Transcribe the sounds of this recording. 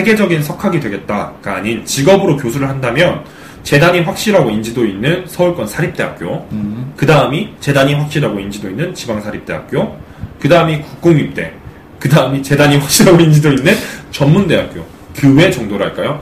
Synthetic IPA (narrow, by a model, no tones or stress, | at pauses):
ɸe̞ɡe̞d͡ʑʌɡinsʰʌkʰaɡidwe̞ɡe̞t̚t͈akaːɲint͡ɕiɡʌbɯɾokjosʰuɾɯɭhandamjʌn | t͡ɕe̞daɲiɸwak̚ɕ͈iɾaɡoind͡ʑidoinːɯnsʰʌuɭk͈ʌnsʰaɾip̚t͈e̞ɦa̰k̚k͈jokɯdaɯmit͡ɕe̞daɲiɸwak̚ɕ͈iɾaɡoind͡ʑidoinːɯnt͡ɕibaŋsʰaɾip̚t͈e̞ɦa̰k̚k͈jo | kɯdaɯmikuk̚k͈oŋɥip̚t͈e̞̰ | kɯdaɯmit͡ɕe̞daɲiɸwak̚ɕ͈iɾaɡoind͡ʑidoinːɯnt͡ɕʌmmunde̞ɦak̚k͈jo̰ | kɯwe̞t͡ɕʌŋdoɾɯɭɦaɭk͈ajo